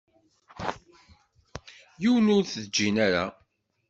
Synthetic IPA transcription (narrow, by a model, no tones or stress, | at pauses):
juwənʊɾθðd͡ʒːinæɾa